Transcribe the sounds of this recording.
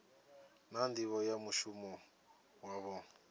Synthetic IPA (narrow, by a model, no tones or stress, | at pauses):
nandiβɔjamuʃumɔ | waβɔ